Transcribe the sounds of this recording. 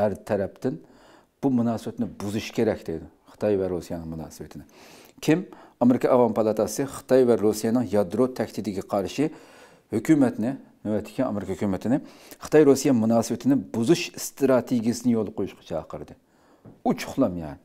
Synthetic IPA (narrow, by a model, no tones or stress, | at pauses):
hæɾt̪ʰɛɾɛp̚t̪ɪn | b̥umunɑːsɨbɪt̪nɪbuzuʃkʲeɾɛkʲd̪̥ed̪ɪ | χɨ̥t̪ʰɑjvɛɾːusijɑnɨŋmunɑ̰ːsɨwɪt̪ʰɪnɪ | kʲʰimɑmeɾɪkɑʔɑvɑmpʰɑlˠɑt̪ʰɑsɨχɨ̥t̪ʰɑjvɛɾusijɑnɨŋjɑd̪ɾot̪ʰɛkʲt̪ʰɪd̪ɪɡʲɛqʰɑɾʃɨ | høkʲymɛt̪nɪ | mywɛt̪ʰːɪ̥kʲɛnɑ̰meɾɪkʰɑhkʲymɪt̪ʰɪnɪ | χə̥t̪ʰɑjɾusijɑmunɑːsɨwɪt̪ʰɪnɪbuzuʃst̪ɾɑt̪ʰeɡʲijɪsɨnɪjolˠqʰojuʃqʰɑ̥t͡ʃʰɑːqʰəɾɨd̪ɨ | ut͡ʃʰʊ̥χlˠɑmjɑɾ